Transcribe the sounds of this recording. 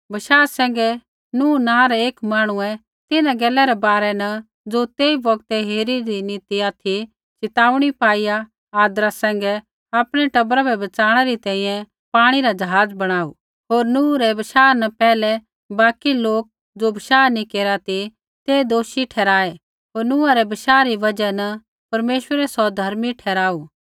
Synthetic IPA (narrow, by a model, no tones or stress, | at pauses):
bɐʃaːsɛ̃ːŋ̆ɡɛ | nũːnãːɾɛeːkmaːɽ̃uɛ̃ | t̪ɪnãɡɛːlɛɾɛbaːɾɛnɐ | d͡zot̪eːibɐɡt̪ɛɦeːɾiɾinit̪iat̪ʰi | t͡ʃɪt̪aːuɽ̃ipaːija | aːd̪ɾasɛ̃ːŋɡɛ | apɽ̃ɛʈɐbɾabɛbɐt͡saːɽ̃ɛɾit̪ɛ̃ːĩjɛ̃ | paːɽ̃iɾad͡ʒɐɦaːd͡zbɐɽ̃aːṵ | ɦoːɾnʊ̃ːɾɛbɐʃaːnɐpɛːlɛ | baːkiloːk̚ | d͡zobɐʃaːnĩkeːɾat̪i | t̪eːd̪oːʃiʈʰɛːɾaːe | ɦoːɾnʊ̃ːaɾɛbɐʃaːɾiʋɐd͡ʒɛn | pɐɾmeːʃwəɾɛsɔd̪ʱɐɾmiʈʰɛːɾaːuː